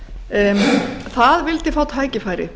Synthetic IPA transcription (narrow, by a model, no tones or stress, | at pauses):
θaðvɪlt̪ɪfaːwt̪ʰaːjcɪfaːjɾɪ̰